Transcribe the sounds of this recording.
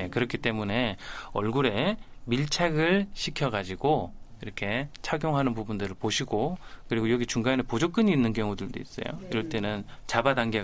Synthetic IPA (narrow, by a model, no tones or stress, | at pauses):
ekɯɾʌkʰit͈e̞mune̞ʌ̰ɭɡuɾe̞miɭt͡ɕʰaɡɯɭɕʰikʰjʌɡad͡ʑiɡoiɾʌkʰe̞t͡ɕʰaɡjoŋɦanɯnpubundɯɾɯɭpoɕʰiɡokɯɾiɡojʌɡit͡ɕuŋɡanepod͡ʑok͈ɯɲiːnːɯnkjʌŋudɯɭdo̰is͈ʌ̰jo̰iɾʌɭt͈e̞nɯn | t͡ɕabadaŋɡe